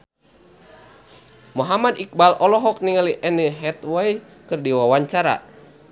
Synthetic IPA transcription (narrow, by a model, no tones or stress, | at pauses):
moɦamad̪ik̚balʔɔlɔɦɔk̚niŋaliʔɛniɦɛt̪wai | kɨrdiwawaɲt͡ʃaɾa̰